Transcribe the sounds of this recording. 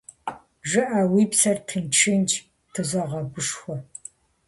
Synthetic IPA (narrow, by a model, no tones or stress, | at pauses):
ʒɨʔaːwiːpsɐrtʰɨnt͡ʃʰɪnt͡ʃ | tʰɨzɐʁɐɡʷʊʂxʷɔ